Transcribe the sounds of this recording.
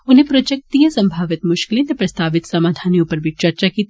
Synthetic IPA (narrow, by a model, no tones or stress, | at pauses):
ʊnɦẽpɾɔd͡ʒɐk̚t̪ijɐ̃sɐ̃mbʱaːʋɪt̪mʊʃkɪlẽt̪epɾɐst̪aːʋɪt̪sɐmaːd̪ʱaːniʊpəɾbʱit͡ʃɐɾt͡ʃakiːt̪